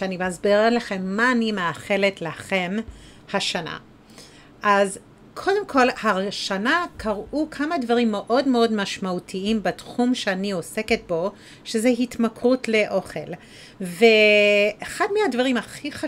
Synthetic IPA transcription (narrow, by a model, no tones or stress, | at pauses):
ʃeanibazbiʁalaχe̞mːaːnimeaχeletlaχe̞m | haʃana̰ | ʔaz | kʰo̞de̞mkʰo̞lhaʃanakʰaʁʔukʰamadvaʁimːeʔo̞dmeo̞dmaʃmautʰiimbatχumʃeanio̞se̞ke̞t̚bo̞ | ʃezeɦitmakʁutle̞ʔo̞χel | veeχadmehadvaʁimaχiχa